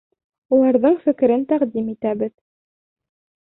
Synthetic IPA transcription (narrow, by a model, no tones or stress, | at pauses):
ulˠɑɾðɤɴfɘ̆kɘ̆ɾɘnt̪æʁd̪imit̪æbɘð